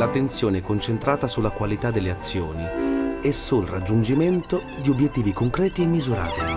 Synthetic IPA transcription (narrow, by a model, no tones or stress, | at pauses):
lat̪ːent̪sjoːnekont͡ʃent̪ɾaːt̪asulːakwalit̪ad̪ːelːeat̪sːjoːniɛsːulrad͡ʒːund͡ʒiment̪o | d̪iobjet̪ːiːvikoŋkɾɛːt̪iemːizuɾa̰ːt̪i